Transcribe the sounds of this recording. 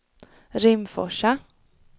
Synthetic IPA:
ɾɪmfɔ̰ʂa

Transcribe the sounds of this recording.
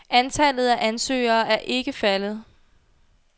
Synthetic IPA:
ʔænt͡sʰæl̰ð̞̩ˠæʔænsø̰ːɐːʔæɐʔe̝ɡ̥əfælð̞̩ˠ

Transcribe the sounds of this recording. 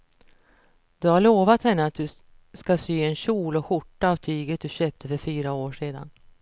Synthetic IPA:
d̪̥ɵhaɭoːvat̪hɛnːəat̪̚d̪ɵ | skasyːɛnɕuːlɔɧʊʈːaːvt̪ʰyːɡət̪̚d̪ɵɕøːp̚t̪ʰəfœɾfyːɾaoːʂeːd̪a̰n

